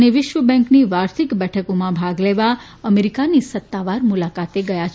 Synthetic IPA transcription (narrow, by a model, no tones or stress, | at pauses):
neʋɪʃʋəbɛ̃ŋkniʋaɾt̪ʰikbɛʈʰəkomãbʱaɡleʋa | əmeɾikanisət̪ːaʋaɾmulakat̪eɡəjat͡ʃʰ